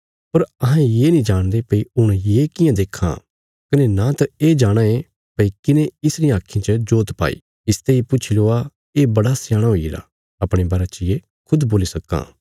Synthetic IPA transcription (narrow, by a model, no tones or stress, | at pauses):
pɐɾɐɦãjeːnĩd͡ʒaːɽ̃d̪epɐiʊɽ̃jeːkɪjãd̪eːkʰã̰ | kɐnenat̪ɐeːd͡ʒaːɽ̃ae | pɐikɪnẽɪsɾĩaːkʰĩt͡ʃəd͡ʒoːt̪pa̰ːḭː | ɪst̪eipʊt͡ʃʰiloa | eːbɐɽasjaːɽ̃aɦoːiɾa̰ | ɐpɽ̃ẽbɐɾat͡ʃɪje | kʰʊd̪boːlisɐkːa̰ː